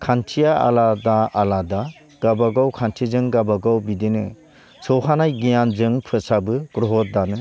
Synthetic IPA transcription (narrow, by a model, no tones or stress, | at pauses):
kʰantʰijaa̰ladaalada | ɡ̥abaɡawkʰantʰizɯŋɡabaɡawbidinɯ | sʰɔwɦanajɡijanzɯŋpʰɯsabɯkɾɔɦɔt̚danɯ